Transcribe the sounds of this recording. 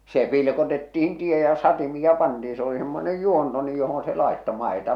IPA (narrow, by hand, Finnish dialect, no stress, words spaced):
se pilkotetːihin tie jɑ sɑtimiɑ pɑntiː se oli semːonej juonto nyj johon se lɑˑe̝tːo mɑˑe̝tɑ